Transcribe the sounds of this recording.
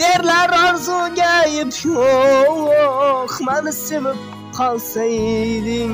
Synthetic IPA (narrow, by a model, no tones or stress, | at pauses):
eɾlaɾɒɾzuɡʲajɪpʰowoχmanɪsɪmɪp̚ | qʰɒlˠsajd̪ɪ